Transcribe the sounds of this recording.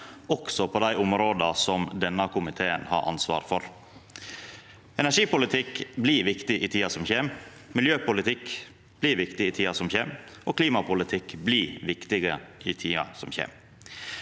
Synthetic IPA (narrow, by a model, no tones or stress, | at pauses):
ɔksɔpʰoːd̪æɪʔʊmɾoːd̪ɑsɔmd̪ɛnːɑkʊmɪt̪ʰeːənhɑ̰ːɾʔɑ̰nsʋɑ̰ːɾfɔɾ | ɛnæʂiːpʊlɪt̪ʰɪkbliːʋɪkt̪ɪʔɪt̪ʰiːɑsɔmçeːm | mɪljøːpʊlɪt̪ʰɪk | b̥liːɾʋɪkt̪ɪɪt̪ʰiːɑsɔmçeːmʔoːkʰliːmɑpʊlɪt̪ʰɪkbliːʋɪkt̪ɪɡəɪt̪ʰiːɑ̰sɔmçḛːm